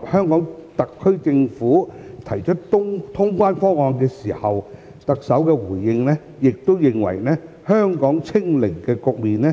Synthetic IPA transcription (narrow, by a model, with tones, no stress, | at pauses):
hœː˥ŋkɔː˨˥ŋt̪ɐ˨kʰːɵ˥ɥt͡sɪ˧ŋfuː˨˥t̪ʰɐ˨˩jt͡ʃʰɵ˥t̚t̪ʊ˥ŋt̪ʰʊ˥ŋkʷaː˥nfɔː˥ŋɔː˧nkɛː˧siː˨˩hɐ˨w | t̪ɐ˨k̚sɐ˨˥wkɛː˧wuː˨˩jːɪ˧ŋlɛ˥ | jɪ˨k̚t̪o˥wjɪ˨ŋwɐ̰˨˩jnɛː˥ | hœː˥ŋkɔː˨˥ŋt͡sʰɪ˥ŋlɪ˨˩ŋkɛː˧kʊ˨k̚miː˨nnɛː˦˥